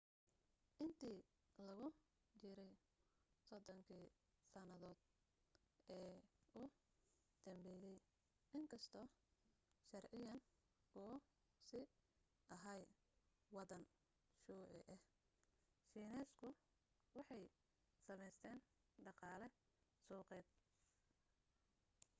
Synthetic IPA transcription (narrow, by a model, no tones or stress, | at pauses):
ʔɪnt̪ʰiː | lɐɣʊ | t͡ʃɪɾɛj | sɔd̪ɔŋkʰiː | sɐnɐðɔːd̪̥̚ | ɛːʊ | d̪̥ɐmbɛːjɛj | ɪŋkʰɐst̪ʰɔː | ʃɐrʕɪjɐn | ɔː | sɪ | ʔɐɦɐj | wɑðɐn | ʃuːʕɪ̰ʔɛh | ʃiːnɛːskʰʊ | wɑħɑj | sɐmɛjst̪ʰɛːn | ɖɑqɑːlɛ | suːqɛːd̪̚